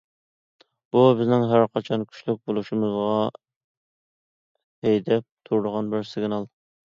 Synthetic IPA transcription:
b̥ubɪznɪŋɦæɾqʰɑt͡ʃʰɑnkʲʰy̥ʃlyk̚ʲbolˠuʃimɨzʁɑ | hejd̪ɛp̚t̪ʰuɾd̪əʁɑnbɪɾsɪɡʲnɑlˠ

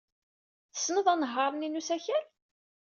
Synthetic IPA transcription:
θə̥sːnəðˤænəɦːɑɾˤəninusæçəɾ

